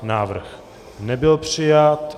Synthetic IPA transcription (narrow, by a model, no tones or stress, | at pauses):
naːvr̩x | nɛbɪlpr̝̥ɪjat̪